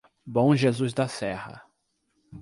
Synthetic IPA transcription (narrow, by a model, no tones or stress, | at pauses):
bõw̃ʒezuzd̪ɐsɛhɐ̰